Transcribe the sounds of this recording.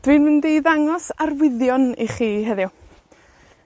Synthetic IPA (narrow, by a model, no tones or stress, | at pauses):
d̥wɨnmɪndejðaŋɔsarwɪðjɔniχiːɦɛðjʊ